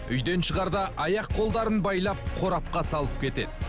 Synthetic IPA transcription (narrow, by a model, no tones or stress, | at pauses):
ʏjd̪e̞nʃəʁɑɾd̪ɑʔɑjɑqːʰo̞lˠd̪ɑɾənbɑjlˠɑp̚qʰo̞ɾɑp̚qɑsɑlˠəp̚kʲʰe̞t̪e̞̰d̪ɪ